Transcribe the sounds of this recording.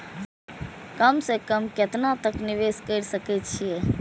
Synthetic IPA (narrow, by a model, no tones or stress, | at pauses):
kəmsekəmket̪nat̪əknɪʋeskəɾsəkɛt͡ʃʰie